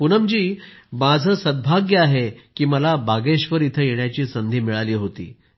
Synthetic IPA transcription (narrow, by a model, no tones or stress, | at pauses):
punəmd͡ʑiːmad͡zʱəːsəd̪̚bʱaɡjəaɦekiːməlabaɡeɕʋəɾit̪ʰəːjeɳjat͡ɕiːsənd̪ʱiːmiɭaliːɦot̪ḭː